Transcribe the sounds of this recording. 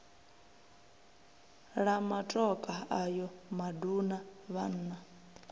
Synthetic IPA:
ɺamatʼɔkʼaajɔmadunaβan̩ːna

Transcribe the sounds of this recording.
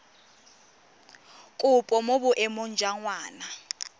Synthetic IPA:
kʼʊpʼɔmobʊʔɛmʊnd͡ʒʱaŋwaːna

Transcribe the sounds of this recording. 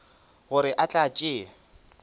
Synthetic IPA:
ɣʊɾɪʔat͡ɬʼat͡ʃʼɪː

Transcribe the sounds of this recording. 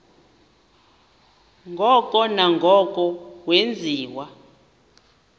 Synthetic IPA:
ŋɡʱɔkʼɔnaŋɡʱɔkʼɔwend͡zʱiːwa

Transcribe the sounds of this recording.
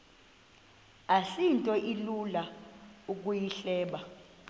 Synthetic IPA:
asintʼɔʔilulauk̬ʼujiɬɛːɓa

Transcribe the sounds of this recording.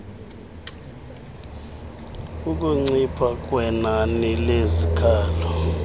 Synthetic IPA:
uk̬ʼuŋ͡ǀipʰak̬ʼwɛnanilezikʰaːlɔ

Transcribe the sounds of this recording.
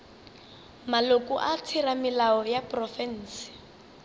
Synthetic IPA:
malokʼuʔat͡sʰiramɪlaɔjaprɔfɛn̩ːsɪ̥

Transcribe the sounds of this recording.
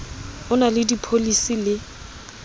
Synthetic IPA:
ʊnalɪdipʰolisilɪ

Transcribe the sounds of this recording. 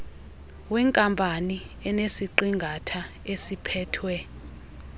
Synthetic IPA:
wɛŋkʼampʼaniɛnesiǃiŋɡʱatʰa | esipʰɛːtʰwɛ

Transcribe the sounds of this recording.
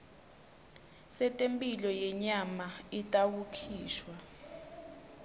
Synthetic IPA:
sɛtʼempʼilɔjɛɲamaitʼawukʰiːʃwa

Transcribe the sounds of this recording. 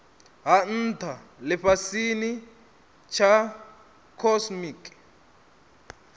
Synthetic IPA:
ɦan̩tʰalɛɸasini | t͡ʃʰa | kʰɔsmik

